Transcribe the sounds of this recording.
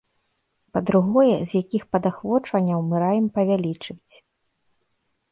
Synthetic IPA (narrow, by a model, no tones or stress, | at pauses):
pɐd̪ɾuɣɔjɛzʲjakʲixpɐd̪axvɔt͡ʂvɐnʲːɐwmɨɾajɛmpɐvʲalʲit͡ʂɨvʲit͡sʲ